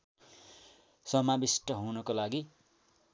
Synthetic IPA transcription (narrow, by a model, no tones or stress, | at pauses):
sʌmabisʈʌɦunʌkolaɡi